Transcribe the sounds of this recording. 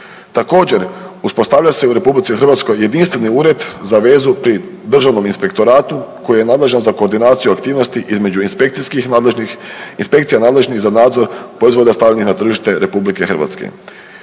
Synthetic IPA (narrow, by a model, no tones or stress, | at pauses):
t̪ako̞ːd͡ʑe̞ɾuspo̞st̪aʋʎase̞uɾe̞publit̪ixr̩ʋat̪sko̞jːe̞d̪inst̪ʋeniuːɾe̞d̪zaʋe̞ːzupɾid̪r̩ʒaʋno̞minspe̞kt̪o̞ɾaːt̪uko̞jijenaːd̪le̞ʒnzako̞ːɾd̪inaːt̪sijuakt̪iːʋno̞st̪iʔizme̞d͡ʑupiskix | inspe̞kt̪ijanaːd̪le̞ʒnizanaːd̪zo̞ɾpɾoizʋod̪ast̪alʎanixnat̪r̩ʒiʃt̪e̞ɾe̞publike̞xrɾʋa̰t̪skḛ